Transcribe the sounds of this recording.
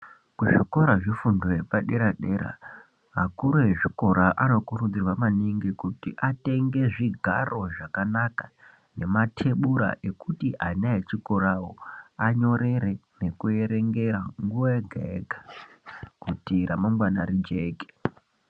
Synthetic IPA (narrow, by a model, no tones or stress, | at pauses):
kuʐiko̞ɾaʐifundojepaɗe̞ɾaɗe̞ɾa̰ | ɦakuɾoɦeʐiko̞ɾaʔano̞kurund͡zirwamaniŋɡikutiʔate̞ŋɡe̞ʐiɡʱa̰rʔo̞ʐakanaka | ne̞matʰe̞ɓuɾa̰ʔe̞kutiʔanaet͡ʃiko̞ɾawo̞aɲo̞ɾe̞ɾe̞ne̞kue̞ɾe̞ŋɡe̞raŋɡuʋaeɡʱeeɡʱḁ | kutiɾamamɡwanaɾid͡ʒe̞ːɡʱe̥